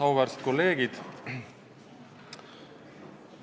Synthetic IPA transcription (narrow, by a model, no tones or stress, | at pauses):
ɑwvɑɾst̪̚ko̞lːe̞ːɡid̪̥